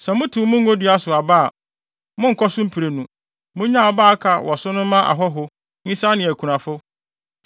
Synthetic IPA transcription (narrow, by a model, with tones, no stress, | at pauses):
sɛ˨mʊ̃˦tʰʊ̃˨˦mʊ̃˦ŋ̩˦o˦dɥa˦sʊ˨a˨ba˦a˨ | mʊ̃˦ŋ̩˨kʰɔ˦sʊ̃˦m̩˦pʰi˨ɾe˨nũ˨ | mʊ̃˦ɲã˦˨ɔ˨baː˦kʰa˨wʔɔ˨sʊ˦nʊ̃˦mã˦ʔa̰˨ɦɔ˦ɦʊ˦ | ɲĩ˦sa˦nɪ̃˨æ˨kʰu˨ɾã˨fʊ˦